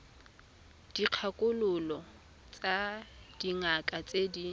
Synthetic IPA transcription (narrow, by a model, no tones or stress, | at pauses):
d̥iq͡χʰakʼʊlʊlɔ | t͡sʼad̥iŋakʼat͡sʼedi